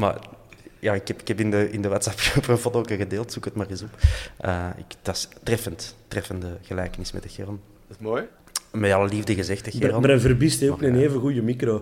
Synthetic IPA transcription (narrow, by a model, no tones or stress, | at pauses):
ma̰jaːɪkɛpɪkɛpɪndəʔɪndəʋaːtsɑpːprəfɔtoːkəɣədeːlˠtsukətmaːrizɔpəːɪ̰kd̥ɑstrɛfəntː | rɛfəndəɣəlɛːkənɪsmɛ̰t̚dəxɛrəlˠ | moːj | mɛɑlˠəlivdəɣəzɛxtəxɪrlɾənvərbisteupniəneːvəɣujəmikɾo